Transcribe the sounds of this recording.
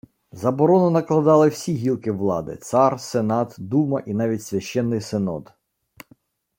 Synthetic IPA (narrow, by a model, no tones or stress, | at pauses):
zɐbɔɾɔnɔnɐklˠɐd̪ɑlˠɪwsʲiɦʲilˠkɪʋlˠɑ̰d̪ɪ̰t̪sɑrsenɑt̪d̪umɐʔinɑʋʲitʲsʲʋʲɐʃt͡ʃɛnːɪjsenɔ̰d̪